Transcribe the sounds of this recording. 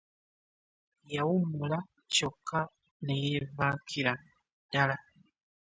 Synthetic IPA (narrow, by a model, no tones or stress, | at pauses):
jawumula | cokːa | nejevakʰiɾa | d̥ala